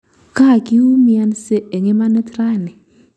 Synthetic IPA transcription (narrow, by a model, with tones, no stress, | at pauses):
ka˦˨ki˦u˦mi˨a˦nse˦e˨ŋe˦ma˦ne˦tɾa˦˨ni˨